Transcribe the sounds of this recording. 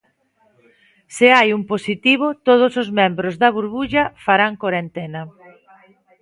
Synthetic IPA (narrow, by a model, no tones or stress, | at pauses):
sɪajumposit̪iβ̞ʊt̪oð̞ʊsozmɛ̃mbɾozðɐβuɾβuʎɐfaɾaŋkoɾent̪ɛnɐ